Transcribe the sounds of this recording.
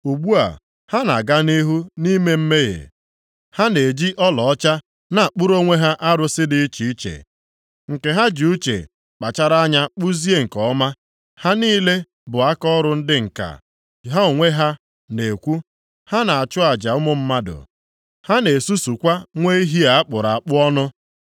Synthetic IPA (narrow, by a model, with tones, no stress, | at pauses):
u˨ɡ͡bu˦a̰˨ | ha˦na̰˨ɡa˦ni˦ɦu˦ni˦me˦m̩˦me˦ɣḛ˨ | ha˦ne˨d͡ʒi˦ʔɔ˦lɔ˨ɔ˦t͡ʃa˦ | na˨a˨k͡pʊ˦ɾo˦ŋʷe˦ɦa˦ʔa˦ɾʊ˨sɪ˦dɪ˨i˦t͡ʃi˨i˦t͡ʃḛ˨ | ŋ̩˨ke˨ɦa˦d͡ʒu˨u˦t͡ʃḛ˨ | k͡pa˨t͡ʃa˦ɾa˦ɲa˦k͡pu˦zi˦e˦ŋ̩˨kɔ˨˦ma˦ | ha˦niː˦le˦ | bʊ˨a˦kɔ˦ɾʊ˦n̩˦dɪ˦ŋ̩˨ka̰˨ | ɦa˦o˨ŋʷe˦ɦa˦ | ne˨kʷu˦ | ha˦na˨a˨t͡ʃʊ˦a˨d͡ʒa˨ʊ˦mʊ˦m̩˦ma˦dʊ̰˨ | ha˦ne˨su˦su˨kʷa˦ŋʷe˦i˦ɦi˦a˨a˦k͡pʊ˨ɾa˨a˨k͡pʊ˦ɔ˦nʊ˦